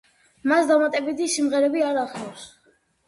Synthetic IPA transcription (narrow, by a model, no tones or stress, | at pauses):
masd̪amat̪ʼɛbit̪ʰisimʁɛɾɛbiaɾaχlɔws